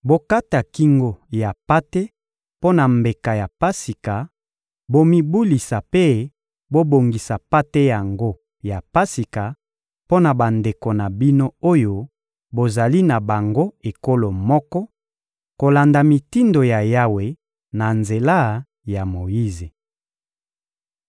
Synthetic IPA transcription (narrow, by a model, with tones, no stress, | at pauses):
bo˦ka˦ta˨ki˦ŋɡo˦ja˨pa˦te˦ | po˦na˨mbe˨ka˨ja˨pa˦si˨ka˨ | bo˦mi˦bu˦li˨sa˨pe˦ | bo˦bo˨ŋɡi˨sa˨pa˦te˦ja˨ŋɡo˦ | ja˨pa˦si˨ka˨ | po˦na˨ba˨nde˨ko˨na˨bi˦no˦o˦jo˦ | bo˨za˨li˦na˨ba˨ŋɡo˦e˨ko˦lo˨mɔ˦kɔ˦ | ko˨la˨nda˨mi˨ti˦ndo˨ja˨ja˦we˨ | na˨nze˨la˦ | ja˨mo˨ji˦ze˨